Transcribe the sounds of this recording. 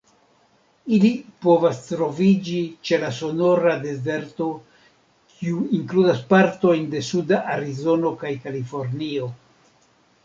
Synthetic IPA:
ilipo̞vast̪ɾo̞vid͡ʒit͡ʃe̞laso̞no̞ɾade̞ze̞ɾto̞ | kʰiuiŋkludaspaɾto̞jnde̞sudaʔaɾizo̞no̞kajkalifo̞ɾnio̞

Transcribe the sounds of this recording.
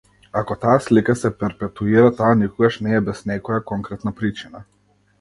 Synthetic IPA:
akɔt̪aslikasɛpɛɾpɛt̪uiɾat̪anikɔɡaʃnɛːbɛsnɛkɔjakɔŋkɾɛt̪napɾit͡ʃina

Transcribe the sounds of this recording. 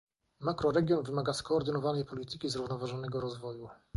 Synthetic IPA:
makɾɔɾɛɡʲjɔnvɘmaɡaskɔːɾd̪ɘnɔvanɛjpɔlʲit̪ɘkʲizɾuvnɔvaʐɔnɛɡɔɾɔzvɔju

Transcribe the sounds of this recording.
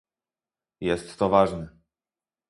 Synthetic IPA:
jɛst̪ːɔvaʐnɛ

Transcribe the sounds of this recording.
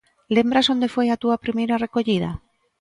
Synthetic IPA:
lembɾaso̞nd̪efwojat̪uapɾimejɾarekoʎið̞a̰

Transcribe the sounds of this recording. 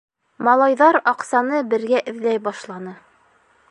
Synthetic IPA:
mɑlˠɑjðɑɾɑqsɑnɤbɘ̆ɾɡæʔɘ̆ðlæjbɑʃlˠɑnɤ

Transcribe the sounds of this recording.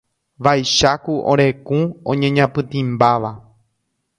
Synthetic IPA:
ʋajʃakuʔõ̰ɾe̞kũõ̰ɲẽ̞ɲãpɨ̃t̪ĩmbaʋa

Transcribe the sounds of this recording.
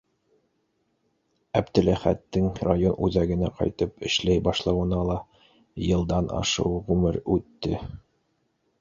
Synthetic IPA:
æbd̪ɘ̆læχæ̰t̪ːɘŋrajonʔʉðæɡɘ̆næqɒ̰jt̪ɤpɘ̆ʃlæjbɑʃlˠɑwɤ̆nɑlˠɑ | jɤ̆lˠd̪ɑnʔɑ̰ʃɤ̰wʁʉmɘɾʉt̪ːɘ

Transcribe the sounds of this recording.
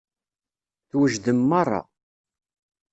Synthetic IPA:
θwəʒðəmːɑrˤːɑ̰

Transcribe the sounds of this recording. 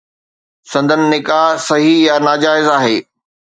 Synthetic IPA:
sɐ̃nd̪ʱənɪ̆nɪkaːɦsɐɦijanaːd͡ʑaːɪzaːɦeː

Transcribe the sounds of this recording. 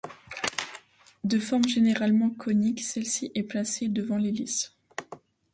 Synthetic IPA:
d̪əfɔʁmʒeneʁalmɑ̃kʰɔniksɛlsiʔɛplased̪əvɑ̃lelis

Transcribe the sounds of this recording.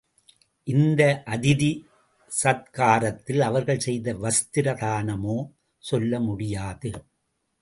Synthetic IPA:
ʔɪnd̪ɐʔɐðɪði | sɐð̚kaːɾɐt̪ːɪlɐʋɐɾɣɐɭsɛjðɐʋɐst̪ɪɾɐðaːnɐmoː | sɔlːɐmʊɽɪjaːðɯ

